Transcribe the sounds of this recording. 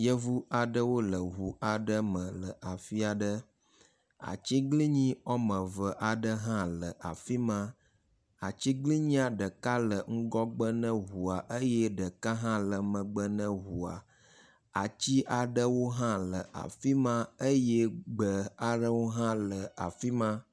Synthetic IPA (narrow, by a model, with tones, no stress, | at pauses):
jə˦vu˦a˨ɖə˦wo˦lə˨ɦu˨a˨ɖə˦mə̃˨lə˨ʔa˨fi˦a˨ɖə˦ | a̰˨t͡ɕi˦ɡli˦ɲĩ˦ɔ˦mə̃˨və˨ʔa˨ɖə˦ɦã˦lə˨ʔa̰˨fi˦mã˦ | a˨t͡ɕi˦ɡli˦ɲĩ˦a˨ɖə˨ka˦lə˨ŋ̩˦ɡɔ˦ɡ͡bə˦nə̃˦ɦu˨a˨ʔə˦jɛ˦ɖə˨ka˦ɦã˦lə˨mə̃˨ɡ͡bə˦nə̃˦ɦu˨a˨ | a˨t͡ɕi˦ʔa˨ɖə˦wo˦ɦã˦lə˨a̰˨fi˦mã˦ə˦jɛ˦ɡ͡bə˨a˨ɖə˦wo˦ɦã˦lə˨a˨fi˦mã˦